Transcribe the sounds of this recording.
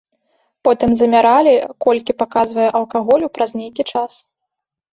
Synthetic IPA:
pɔt̪ɨmzɐmʲaɾalʲikɔlʲkʲipakazvɐjɛʔɐlˠkaɣɔlʲupɾɐznʲejkʲit͡ʂas

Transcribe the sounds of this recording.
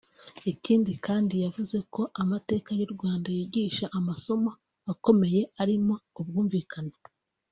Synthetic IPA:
iciːndikaːndijavuze̞ko̞ʔamate̞ːkajuɾɡwaːndajiːɟiːʃaʔamaso̞maː | ko̞me̞je̞aɾimo̞ubɡuːɱviːkʰana

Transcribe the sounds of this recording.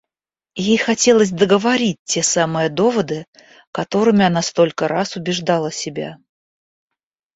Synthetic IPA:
jejxɐtʲe̞lˠəsʲd̪əɡəvɐɾʲit̚ʲtːʲe̞samɨjəd̪o̞vəd̪ɨ | kɐt̪o̞ɾɨmʲɪanast̪o̞lʲkəɾasʊbʲɪʐd̪alˠəsʲɪbʲa̰

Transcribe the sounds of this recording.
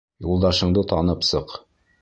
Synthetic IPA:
julˠd̪ɑʃɤ̆ɴd̪ɤt̪ɑnɤpsɤq

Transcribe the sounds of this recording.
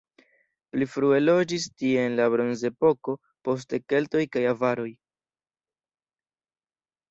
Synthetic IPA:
plifɾue̞lo̞d͡ʒistie̞ːnlabɾo̞nze̞po̞ko̞ | po̞s̬te̞ke̞lto̞jkajavaɾo̞j

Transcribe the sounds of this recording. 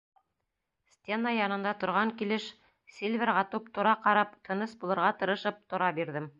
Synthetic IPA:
sʲt̪ʲenajɑnɤ̆nd̪ɑt̪ŏɾʁɑŋkilɘʃ | sʲilʲvʲeɾʁɑt̪up̚t̪ŏɾɑqɑɾɑpt̪ʰɤ̆nɤsbulˠɤ̆ɾʁɑt̪ɤ̆ɾɤ̆ʃɤp̚t̪ŏɾɑbiɾðɘm

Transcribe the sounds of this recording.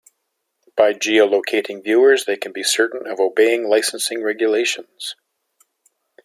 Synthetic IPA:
b̥aɪd͡ʒioloʊkʰeɪɾɪ̃ŋvjʉə˞zðeɪkʰn̩bisɜ˞ʔn̩ʌvoʊbeɪɪ̃ŋlaɪsn̩sɪ̃ŋɹɛɡjɨleɪʃə̃n̩z̥

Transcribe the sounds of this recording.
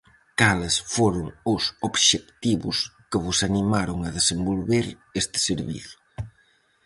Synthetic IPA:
kalɪsfoɾʊŋosoβʃekt̪iβʊ̰skɪβʊsanimaɾʊŋɐðesembolβeɾ | est̪ɪ̥seɾβḭθ

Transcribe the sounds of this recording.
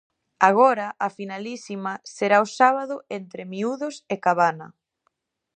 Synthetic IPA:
aɣ̞ɔɾɐʔafinalisimɐseɾaosaβ̞aðʊent̪ɾɪmiuðʊsekaβanɐ

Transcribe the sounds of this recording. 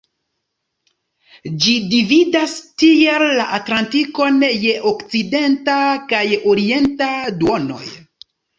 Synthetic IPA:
d͡ʒidividastielːaʔatlantiko̞nje̞ʔokt͡side̞ntakajoɾie̞ntaduono̞̰j

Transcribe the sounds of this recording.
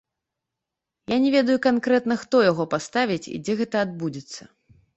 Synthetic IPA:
janʲɛvʲɛd̪ɐjukankɾɛt̪nɐxt̪ɔjaɣɔpast̪avʲit͡sʲḭd͡zʲɛɣɛt̪ɐːd̪̚bud͡zʲɛt̪sːɐ

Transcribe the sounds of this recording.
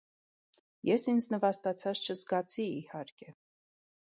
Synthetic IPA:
jɛsind͡znəvɑst̪ɑt͡sʰɑt͡st͡ʃʰəzɡɑt͡sʰiːhɑɾkʰɛ

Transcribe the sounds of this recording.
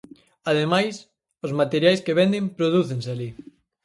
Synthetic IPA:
að̞emajs | ʊzmat̪eɾjajskeβ̞ɛnd̪empɾoð̞uθeŋseali

